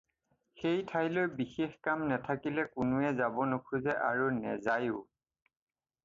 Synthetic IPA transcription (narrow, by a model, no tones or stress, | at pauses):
xejtʰajlɔɹbixexkamnatʰakilɛkʊnʊɛzabɔnokʰuzɛʔa̰ɹunɛ̰zajʊ